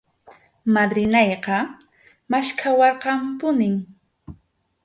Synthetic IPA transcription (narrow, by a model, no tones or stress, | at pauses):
mad̪ɾɪnɑjqɑ | maʃkʰawɑɾqɑmpʊnɪŋ